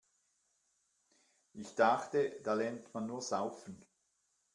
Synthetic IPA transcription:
ʔɪçd̥aχtəd̥aːlɛɐntmanːuːɐz̥aʊfən̩

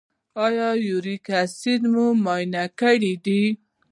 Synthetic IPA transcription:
ɑjɑjuɾikasid̪mumɑjnakəɽid̪i

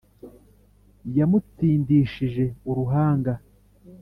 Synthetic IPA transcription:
jamut͡siːndiːʃiʒe̞uɾuɦaːŋɡa

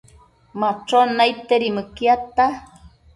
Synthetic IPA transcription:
mat͡ʃonajt̪eɾimɨkjat̪a

